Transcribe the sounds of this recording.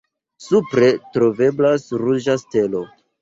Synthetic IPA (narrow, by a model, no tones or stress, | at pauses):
supɾe̞tɾo̞ve̞blasɾuʒaste̞lo̞